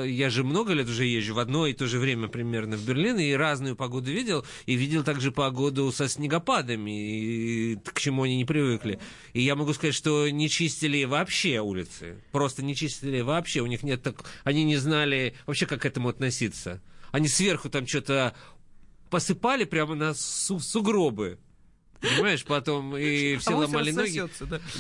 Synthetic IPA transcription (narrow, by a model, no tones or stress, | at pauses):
jaʐɨmno̞ɡəlʲet̪ʊʐɛjeʑːʊvɐd̪no̞ɪt̪o̞ʐɨvɾʲemʲəpɾʲɪmʲernəvbʲɪrlʲiniɾaznʊjʊpɐɡo̞d̪ʊvʲidʲɪlˠ | ivʲidʲɪlˠt̪aɡʐɨpɐɡo̞d̪ʊsəsʲnʲɪɡɐpad̪əmʲɪ | kt͡ɕɪmuɐnʲinʲɪpɾʲɪvɨklʲɪ | ijamɐɡuskɐzatʲʂt̪o̞nʲɪt͡ɕisʲtʲɪlʲɪvɐːpɕːeulʲɪt̪sɨ̰pɾo̞st̪ənʲɪt͡ɕisʲtʲɪlʲɪvɐːpɕːe̞ʊnʲixnʲet̪ːɐkɐnʲinʲɪznalʲɪvɐpɕːe̞kakːɛt̪əmʊɐt̪nɐsʲit̪səɐnʲisvʲe̞rxʊt̪amt͡ɕot̪ə | pəsɨpalʲɪpɾʲamənɐsusʊɡɾo̞bɨ | pənʲɪmaɪʂpɐt̪o̞mifsʲelˠɐmalʲɪnoɡʲɪ